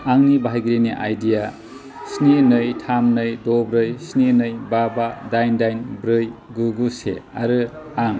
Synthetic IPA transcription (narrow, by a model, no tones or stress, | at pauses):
aŋnibajɡɾiniʔa̰jdija | snenɯjtʰamnɯjdɔbɾɯjsninɯjbabadajndajnbɾɯjɡuɡusḛa̰ɾɯ | aŋ